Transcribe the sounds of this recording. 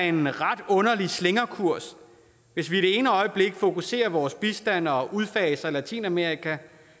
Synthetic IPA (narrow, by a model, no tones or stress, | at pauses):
e̝nʁɑ̈d̥ɔ̽nɐlisleŋɐkʰuɐ̰s | ʋe̝sʋiːɾ̥e̝e̝ːnəɒ̽ɪəb̥le̝ɡ̥fo̝kʰuse̝̰ːɐʋɒːsb̥isd̥æn̰ɒ̽ʔuð̞ˠfɛːsɐlæt͡sʰḭːnæmeʁikʰæ